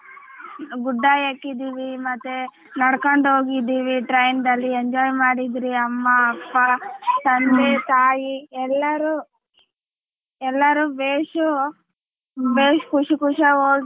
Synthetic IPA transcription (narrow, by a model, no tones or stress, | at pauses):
ɡuɖːaːjekːid̪iːʋimɐt̪ːe | nɐɽkoɳɖɦoːɡid̪iːʋiʈɾɐjnd̪ɐlːieɲd͡ʒɔːjmaːɽid̪ɾiɐmːɐːpːat̪ɐnd̪et̪aːjiɛlːɐɾu | ɛlːɐɾuːbeːʂu | beːʂkuʂikuʂɐoː